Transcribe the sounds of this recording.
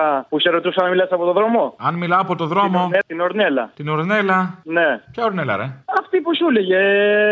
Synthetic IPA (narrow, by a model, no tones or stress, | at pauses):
ɐpuseɾot̪usɐnɐmilɐsɐpo̞t̪oðɾo̞moɐnmilɐːpo̞t̪oðɾo̞mo̞et̪inoɾnelɐ̰t̪inoɾne̞lɐnepçɐoɾnelɐ̰ɾeɐft̪iposuleʝe